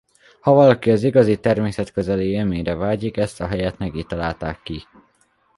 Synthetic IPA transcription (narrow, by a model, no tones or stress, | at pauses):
hɒvɒlɒkiɒziɡɒzit̪ɛrmeːsɛt̪køzɛliømeːɾɛvaːɟikɛst̪ɒɦɛjɛt̪mɛɡit̪ːɒlaːlt̪a̰ːkːi